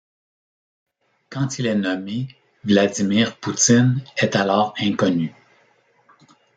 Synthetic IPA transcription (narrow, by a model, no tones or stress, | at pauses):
kɑ̃t̪ilɛnɔme | vlad̪imiːʁput̪ɪnɛt̪alɔːʁɛ̃kɔny